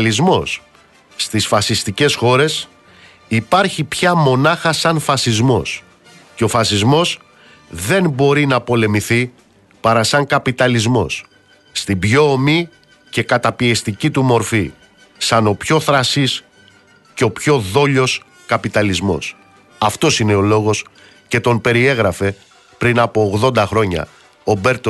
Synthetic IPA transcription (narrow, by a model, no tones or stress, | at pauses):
lizmo̞sː | t̪isfɐsist̪ice̞sxo̞ɾe̞s | ipɐɾçipçɐmo̞nɐxɐsɐnfɐsizmo̞̰s | ce̞o̞fɐsizmo̞s | ðe̞nbo̞ɾinɐpo̞le̞miθi | pɐɾɐsɐŋkɐpit̪ɐlizmo̞sː | t̪ibʝo̞ːmi | ce̞kɐt̪ɐpiest̪icit̪umo̞ɾfi | sɐno̞pço̞θɾɐsis | ceo̞pço̞ðo̞ʎo̞s | kɐpit̪ɐlizmo̞̰s | ɐft̪o̞sine̞o̞lo̞ɣo̞s | ce̞t̪o̞mpe̞ɾie̞ɣɾɐfe̞ | pɾinɐpo̞ːɣðo̞nd̪ɐxɾo̞ɲɐ̰ | obe̞ɾt̪o